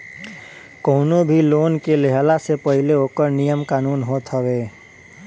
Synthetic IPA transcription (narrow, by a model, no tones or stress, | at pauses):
koːnobʱiloːnkeleɦlasepəɦɪleoːkəɾnijəmkaːnuːnɦoːt̪ɦəʋeː